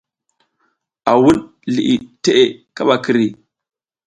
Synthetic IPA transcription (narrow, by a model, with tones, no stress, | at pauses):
ʔa˨wu˦n | li˨ʔi˨te˦ʔe˨ka˦ɓa˨ki˨ɾi˨